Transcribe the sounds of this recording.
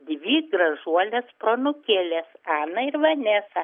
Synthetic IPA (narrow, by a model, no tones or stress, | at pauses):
d̪ʲʋʲiːɡɾɐʒuɔlʲɛspɾoːnʊkʲeːlʲeːsɑːnɐɪɾʋɐnʲeːsɐ